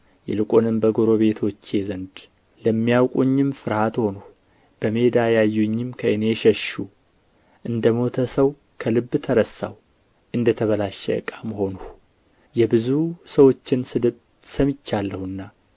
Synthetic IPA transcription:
jɛ̰lɨkʼonɨmbəɡo̞ɾo̞βe̞t̪ʰo̞t͡ʃːjezənd̪ | ləmːijawkʼuɲːɪmfɨɾhat̪ho̞nu | b̥əme̞d̪ajajːuɲːɪmkʰəɨne̞ʃəʃu | ʔɨnd̪əmo̞t̪ʰəsəw | kʰəlɨbːt̪ʰəɾəsːa̰w | ʔɨnd̪ət̪ʰəβəlaʃɛ̰ə̰kʼːaməho̞nuh | jɛbɨzusəwo̞t͡ʃːɪnsɨd̪ɨβ | səmɪt͡ʃːalːəhɨnːa

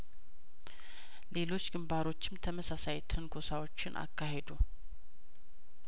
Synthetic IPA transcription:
le̞lo̞t͡ʃːɡɨmbaɾo̞t͡ʃːɪmt̪ʰəməsasajt̪ʰənɡʰo̞sawo̞t͡ʃːɪnʔa̰kʰːaɦe̞d̪u

